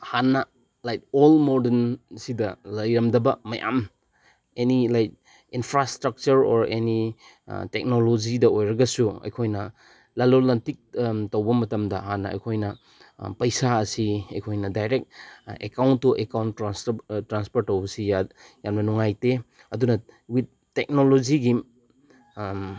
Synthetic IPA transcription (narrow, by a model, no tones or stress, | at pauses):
hanːɐ | lajk̚olmoɾdensidɐlɐjɾɐmdɐbɐmɐjʔa̰m | enilajk̚ | inpʰɾastɾɐk̚t͡ʃuɾo̰ɾeni | tek̚nolod͡ʒidɐojɾɐɡɐsuɐ̰jkʰojnɐ | lalolantik̚tɐwbɐmɐtɐmdɐhanːɐ̰ɐ̰jkʰojnɐ | pɐjsaɐsiɐ̰jkʰojnɐdajɾek̚ekawntːuʔekawnanstɾanspoɾtːɐwbɐsijajanbɐnuŋajte | ɐdunɐwid̚ | tek̚nolod͡ʒiɡi